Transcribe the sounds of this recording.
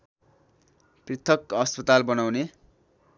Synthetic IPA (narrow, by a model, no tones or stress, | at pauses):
prit̪ʰʌkɦʌspʌt̪albʌnawne